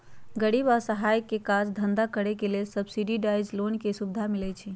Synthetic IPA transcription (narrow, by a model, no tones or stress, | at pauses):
ɡəɽibasəɦajkːekad͡ʒd̪ʱənd̪akəɽɛkelelsəbsiɖiɖajd͡ʒlonkesubd̪ʱamilɛt͡ʃʰi